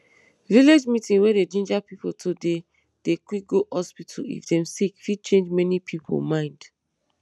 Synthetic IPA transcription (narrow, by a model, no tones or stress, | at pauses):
viled͡ʒmitĩnweded͡ʒĩnd͡ʒapipotʰode | d̥ekik̚ɡohɔspitʰɔlḭfdɛ̃msikfid̚t͡ʃẽnd͡ʒmɛnipʰipʰo̰mãɪ̃nd̥